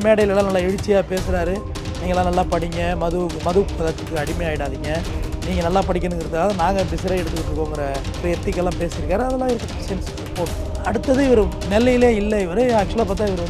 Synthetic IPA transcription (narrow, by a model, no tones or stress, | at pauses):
meːɽɐjɪlɐlːãːnɐlːaːɛɻɯt͡ʃːɪjaːpeːsɯɾaːɾɯ | niːŋɡɐlãːnɐlːaːpɐɽɪŋɡɐmɐðɯmɐðɯkːɐðɐt̪ːɯkːɯɐɽɪmeaːjɪɽaːðiŋɡɐniːŋɡɐnɐlːaːpɐɽɪk̬ʲːɐnɯŋɡɪɾɐðɯkːaːʋɐðɐnaːŋɡɐbɪsɪɾaːɛɽɯt̪ːɯkːɪʈːɾɯkːoːŋɡɐɾɐɾɛt̪ːɪkːɛlːãːpeːsɪɪɾɯkːaːɾɯɐðɐlːãːɪɾɯkːɐɐsɐns | poːʈ | ɐɽɯt̪ːɐðɯɪʋɐɾɯnɛlːɐjɪleːɪlːɐɪʋɐɾɯaːk̚t͡ʃʊɐlaːp̬aːɾt̪ãːɪʋɐɾɯʋɐnd